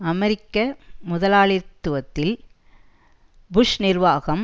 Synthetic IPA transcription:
ɐmɛɾɪkːɐmʊðɐlaːɭɪɾt̪ːɯʋɐt̪ːɪl | bʊʂnɪɾʋaːɣɐm

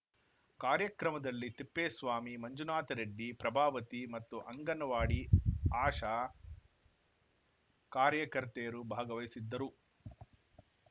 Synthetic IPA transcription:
kaːɾjɐkɾɐmɐd̪ɐlːit̪ipːeːsʋaːmimɐɲd͡ʒunaːt̪ɐɾeɖːipɾɐbʱaːʋɐt̪imɐt̪ːuʔɐŋɡɐnɐʋaːɽiaːʂaː | kaːɾjɐkɐɾt̪ejɐɾubʱaːɡɐʋɐjsid̪ːɐɾu

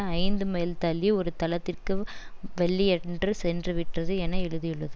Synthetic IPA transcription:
ɐɪnd̪ɯmeːlt̪ɐlːiɔɾɯt̪ɐlɐt̪ːɪrkɯʋɛɭːiɛndrɯsɛndrɯʋɪʈrɐðɯɛnːɐɪɻɯðɪjɯɭːɐðɯ

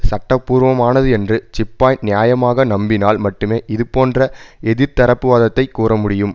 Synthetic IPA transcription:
sɐʈːɐpːuːɾʋɐmaːnɐðɯɛndrɯt͡ʃɪpːaːjnɪjaːjɐmaːɣɐnɐmbɪnaːlmɐʈːɯmeːʔɪðɯpoːndrɐɛðɪɾt̪ɐɾɐpːɯʋaːðɐt̪ːɐɪkːuːrɐmʊɽɪjɯm

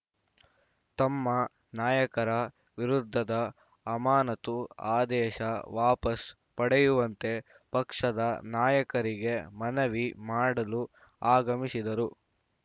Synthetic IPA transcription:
t̪ɐmːɐ | naːjɐkɐɾɐ | ʋiɾud̪ʱːɐd̪ɐː | maːnɐt̪uaːd̪ɛːʃɐʋaːpɐs | pɐɽejuʋɐnt̪e̞ | pɐkʂɐd̪ɐnaːjɐkɐɾiɡe̞mɐnɐʋimaːɽɐlu | aːɡɐmisid̪ɐɾu

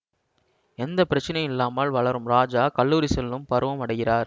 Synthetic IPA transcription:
ɛnd̪ɐpːɪɾɐt͡ʃːɪnɐɪɪlːaːmaːlʋɐɭɐɾɯmɾaːd͡ʒaːkɐlːuːɾisɛlːɯmpɐɾɯʋɐmɐɽɐɪɣɪraːɾ

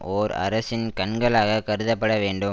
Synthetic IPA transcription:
oːɾɐ̰ɾɐsɪnkɐnɡɐɭaːɣɐkɐɾɯðɐpːɐɽɐʋeːɳɖɯ

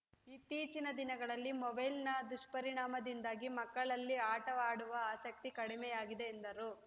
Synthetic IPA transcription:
it̪ːiːt͡ʃinɐd̪inɐɡɐɭɐlːimɔbɐjlnɐd̪uʂʈpɐɾiɳaːmɐd̪ind̪aːɡimɐkːɐɭɐlːiaːʈɐʋaːɽuʋɐaːsɐk̚t̪ikɐɽimɛjaːɡid̪e̞ːnd̪ɐɾu

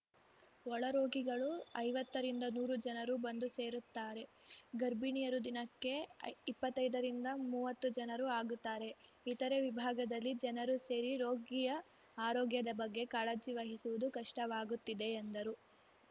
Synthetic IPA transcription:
ɔɭɐɾo̞ːɡiɡɐɭuɐjʋɐt̪ːɐɾind̪ɐnuːɾud͡ʒɐnɐɾubɐnd̪use̞ːɾut̪ːaːɾe̞ɡɐɾbiɳijɐɾud̪inɐkːe̞ipːɐt̪ːɐjd̪ɐɾind̪ɐmuːʋɐt̪ːud͡ʒɐnɐɾuaːɡut̪ːaːɾe̞ | it̪ɐɾe̞ʋibʱaːɡɐd̪ɐlːid͡ʒɛnɐɾuse̞ːɾiɾo̞ːɡijɐ | aːɾoːɡjɐd̪ɐbɐɡːe̞kaːɭɐd͡ʒiʋɐɦisuʋud̪ukɐʂʈɐʋaːɡut̪ːid̪e̞ːnd̪ɐɾu

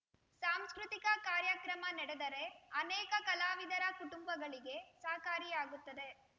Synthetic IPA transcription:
saːmskɾut̪ikɐkaːɾjɐkɾɐmɐnɛɽed̪ɐɾe̞ɐnɛːkɐkɐlaːʋid̪ɐɾɐkuʈumbɐɡɐɭiɡe̞saːkaːɾijaːɡut̪ːɐd̪e̞

